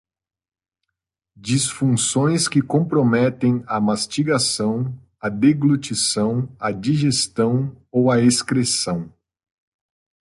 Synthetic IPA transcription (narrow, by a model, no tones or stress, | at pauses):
d͡ʒisfũsõj̃skɪkõpɾomɛt̪ẽj̃ɐmast͡ʃiɡasɐ̃w̃ | ɐd̪eɡlut͡ʃisɐ̃w̃ɐd͡ʒiʒest̪ɐ̃w̃ | owɐeskɾesɐ̃w̃